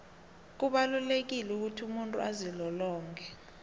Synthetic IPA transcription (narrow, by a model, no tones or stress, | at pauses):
k̬uɓalulek̬ilɛuk̬utʰiumuntʼṵazilɔlɔːŋkʰɛ